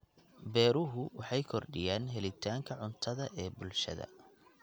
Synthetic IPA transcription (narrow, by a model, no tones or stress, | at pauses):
bɛːɾʊɦʊwɑħɑjkʰɔrɖɪjaːnɦɛlɪt̪ʰaːŋkʰɐʕʊnt̪ʰɐðɐʔɛːbʊlʃɐ̰ðɐ̰